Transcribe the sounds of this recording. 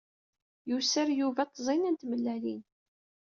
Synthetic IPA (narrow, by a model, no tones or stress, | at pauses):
jusəɾjuvæt̪ˤːzˤinænt̪məlːælin